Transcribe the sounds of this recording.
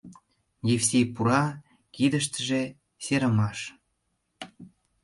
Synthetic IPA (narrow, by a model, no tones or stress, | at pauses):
jefsʲepuɾɑ | kid̪ə̆ʃ̬t̪ə̆ʒĕ | seɾə̆mɑʃ